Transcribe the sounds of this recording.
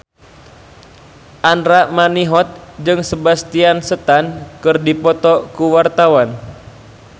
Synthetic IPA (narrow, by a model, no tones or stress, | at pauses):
ʔanɾamaniɦɔt̪̚d͡ʒɨŋsəbast̪iansət̪ankɨrdipɔt̪ɔkuwart̪awan